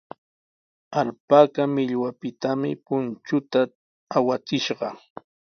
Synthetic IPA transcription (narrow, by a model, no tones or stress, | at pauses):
aʎpakamɪʎwapɪt̪amɪ̰pʊnt͡ʃʊt̪aː | wat͡sɪʃɢɑ